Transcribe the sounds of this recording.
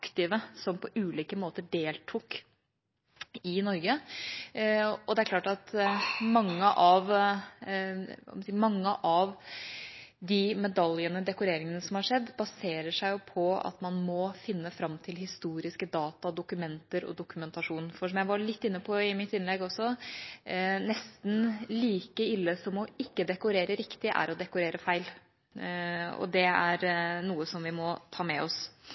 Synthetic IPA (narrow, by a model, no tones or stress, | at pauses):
ɑkt̪ɪʋəsɔmpʰɔʔʉːliːkəmoːt̪əɖeːlt̪ʰuk | ɪnɔɾɡə | ɔd̪ɛæɾkʰlɑːʈɑt̪mɑŋːəʔɑʋ | ɑ̰mɛsiːmɑŋːəʔɑʋ | d̪ɪmɛd̪ɑljənəd̪ɛkʊɾeːɾɪŋənəsɔmhɑɾʂɛd̪ːbɑseːɾəʂæɪjʊpʰɔɑ̰t̪mɑnmɔfɪnːəfɾɑmt̪ʰɪlhɪst̪uːɾɪskəd̪ɑːt̪ɑd̪ʊkʉmɛnt̪əɾɔ̰d̪ʊkʉmɛnt̪ɑʂuːnfɔʂɔmjæɪʋɑɾɭɪt̪ːɪnːəpʰɔɪmɪt̪ːɪnlɛɡɔsːɔ | nɛst̪n̩liːkəɪlːəsɔmɔɪkːəd̪ɛkʊɾeːɾəɾɪkt̪ɪʔæ̰ɾɔd̪ɛkʊɾeːɾəfæɪl | ɔ̰d̪ɛæɾnuːəsɔmʋɪmɔt̪ʰɑːmɛɔs